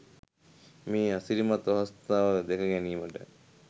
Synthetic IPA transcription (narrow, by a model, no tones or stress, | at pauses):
meːasiɾimat̪ʋaɦast̪aːʋəd̪ekəɡæniːməʈə̰